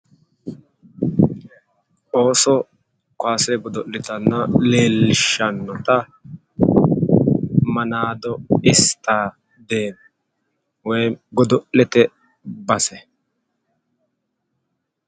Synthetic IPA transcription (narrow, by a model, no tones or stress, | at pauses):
ʔo̞ːsɔ | kwaːsɛɡɔd̪ɔʔlːɪt̪ɐnːɐleːlɪʃɐnːɔt̪ɐ | mɐnaːd̪ɔɪst̪aː | d̪eːnɔ | wɔjɡɔd̪ɔʔɛt̪ɛ | bɐsɛ